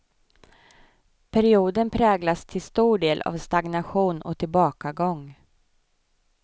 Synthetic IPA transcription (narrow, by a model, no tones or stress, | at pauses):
pʰæɾɪuːd̪ənpʰɾɛːɡlast̪ʰɪlst̪uːɖeːlʔa̰vst̪aɡnaɧuːnɔ̰t̪ʰɪlbɑːkaɡɔŋː